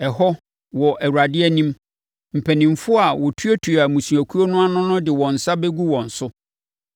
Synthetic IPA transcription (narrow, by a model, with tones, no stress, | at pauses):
ɛ˨ɦɔ˦ | wɔ˨ʔæ˨wu˨ɾa˨dɪ˦ɛ˦nĩ˦m | m̩˨pʰæ˨nĩ˨mfʊ˦a˨wɔ˨tʰu˦ɛ˦tʰu˨a˨mũ˨su˨æ˨kʰu˦o˦nʊ̃˦a˦nʊ̃˦nʊ̃˦dɪ˨wɔ̃˨n̩˨sa˦be˦ɡu˦wɔ̃˨n̩˨sʊ˦